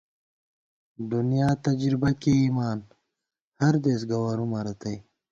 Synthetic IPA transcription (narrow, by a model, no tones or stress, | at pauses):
d̪unijaːt̪ɐd͡ʒɾibɐkiiːmaːn | hɐɾd̪eːsɡɐwɐɾumɐɾɐt̪ɐj